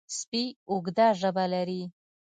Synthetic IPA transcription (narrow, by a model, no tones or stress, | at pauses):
spiʊɡd̪aʒəbalaɾi